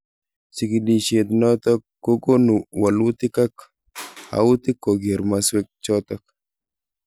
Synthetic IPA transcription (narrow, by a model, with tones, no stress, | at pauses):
t͡ʃi˨ki˨di˨ʃe˨t̪nɔ˦t̪ɔ˦kːo˦ɡo˦nu˨wa˨lʊ˦t̪ɪ˦ka˦k | a̰˨ʊ˦t̪ɪ˦ko˨ɡe˨ɾmaswe˦k̚t͡ʃɔt̪ɔ˦k̚